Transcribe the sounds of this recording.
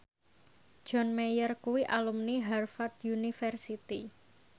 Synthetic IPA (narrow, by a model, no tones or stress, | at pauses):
d̥d͡ʒ̥ɔnmejərkuwiʔalumniɦarfat̪junifɛrsit̪i